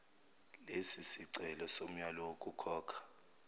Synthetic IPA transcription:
lesisiǀɛlɔsom̩ɲalɔwokʼukʰɔːkʰḁ

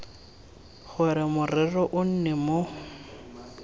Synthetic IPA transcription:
χʊɾɪmʊrɪrɔʔʊn̩nɛmo

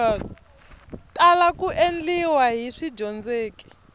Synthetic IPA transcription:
tʼalakuʔend͡ɮiwaɦiʂid͡ʒɔnd͡zeːki̥

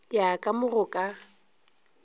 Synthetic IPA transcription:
jakʼamʊrʊkʼa

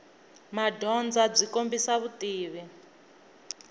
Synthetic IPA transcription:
madʱɔnd͡zab͡ʐikombisaβutʼiːβɛ

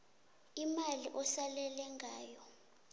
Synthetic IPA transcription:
imaliʔɔsalɛlɛŋʱaːjɔ

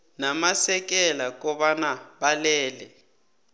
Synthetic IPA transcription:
namasɛk̬ɛlak̬ɔɓanaɓalɛːlɛ

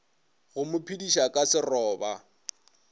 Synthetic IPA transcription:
ɣʊmʊpʰidiʃakʼasɪrɔːba

